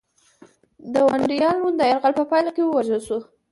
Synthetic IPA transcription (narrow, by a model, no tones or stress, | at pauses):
d̪əwaɳɖijɑlnund̪əaɾɣalpəpɑjlakewəwaʒəlʃu